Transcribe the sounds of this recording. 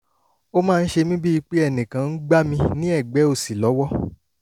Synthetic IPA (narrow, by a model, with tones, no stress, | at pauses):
o˦mãː˦˧n̩˦ʃe˧mĩ˦bi˦i˧k͡pe˦ɛ˦˨nĩ˨kã˨˦n̩˦ɡ͡ba˦mĩ˧nĩ˦ɛ˦˨ɡ͡bɛ˨˦o˦˨si˨lɔ˨˦wɔ˦